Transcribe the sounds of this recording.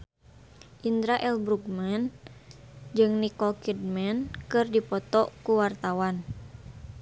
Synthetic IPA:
ʔind̪ɾaʔɛlbɾuɡmɛn | d͡ʒɨŋnikɔkid̚mɛnkɨrdipɔt̪ɔkuwart̪awan

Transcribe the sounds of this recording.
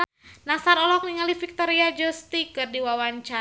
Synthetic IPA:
nasaɾɔlɔk̚niŋalifik̚t̪ɔɾiad͡ʒɔst̪ikɨrdiwawaɲt͡ʃa

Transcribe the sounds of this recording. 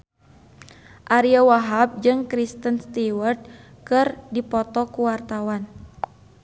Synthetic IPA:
ʔaɾiawaɦap̚d͡ʒɨŋkɾist̪ənst̪iwərd̪̚ | kɨrdipɔt̪ɔkuwart̪awan

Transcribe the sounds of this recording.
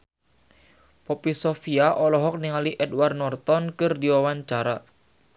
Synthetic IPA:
pɔpisofiaʔɔlɔɦɔk̚niŋaliʔɛdward̪nɔrt̪ɔnkɨrdiwawaɲt͡ʃaɾa

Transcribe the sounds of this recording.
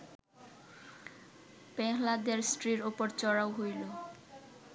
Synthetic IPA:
pɛɦlad̪eɾsʈɾiɾopoɾt͡ɕɔɽawɦojlo

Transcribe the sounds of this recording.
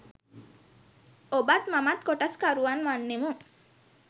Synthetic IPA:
obat̪mamat̪̚koʈaskaɾuʋanʋanːemu

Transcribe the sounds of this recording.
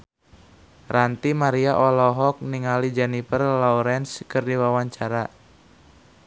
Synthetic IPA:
rant̪imaɾiaʔɔlɔɦɔk̚niŋalid͡ʒanipərlɔuɾɛnskɨrdiwawaɲt͡ʃaɾa

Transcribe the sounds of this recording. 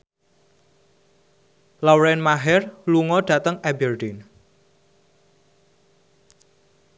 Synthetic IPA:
lawɾɛnmaɦɛrluŋɔɖ̥a̤t̪əŋɛbɛrɖin

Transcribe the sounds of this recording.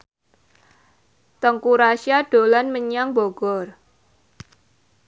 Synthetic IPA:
t̪ɔŋkuɾaʃjaɖ̥o̤lanməɲaŋboɡ̥ɔr

